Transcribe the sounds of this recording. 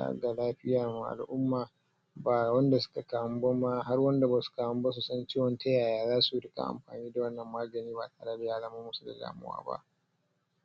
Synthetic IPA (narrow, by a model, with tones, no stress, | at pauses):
a̰˦ɡa˨laː˦ɸɪ˦jaː˨mu˨ʔa̰˨lʔʊ˦mːaː˨ | baː˨wɐ˦nda˨sʊ̥˦ka˨ka˨mbo˦ma˦ɦa˦rwɐ˦nda˨ba˨sʊ̥˦kaː˨wɐ˦mba˦s̬u˨sɐ˦nt͡ʃiː˦wɔ˨nta˦jaː˨jaː˦zaː˦su˨ɽɪ˦ka̰˨ʔa̰˨mɸa̰ː˨niː˦da˨wɐ˦nːɐ˨mːaː˦ɡɐ˨niː˦ba˨taː˨ɽa˦bɪ˨jaː˦zɐ˦maː˦mʊ˦su˨da̰˨da̰ː˨mɪ̰˦wa̰ː˦ba̰˦ʔ